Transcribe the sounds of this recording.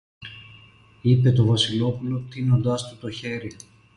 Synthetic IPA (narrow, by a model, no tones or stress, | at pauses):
ipe̞t̪o̞vɐsilo̞pulo̞t̪ino̞nd̪ɐst̪ut̪o̞çe̞ɾi